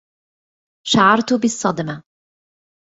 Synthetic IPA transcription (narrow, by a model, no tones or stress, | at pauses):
ʃaʕɑɾˤt̪ʊbɪsˤːɑd̪ma